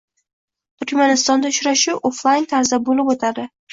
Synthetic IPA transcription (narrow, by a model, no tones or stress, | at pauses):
t̪ʰʊɾkʲmanɪst̪ɒnd̪aʊʃɾaʃɪoflˠajnt̪ʰaɾzabolɪpot̪ʰad̪ɪ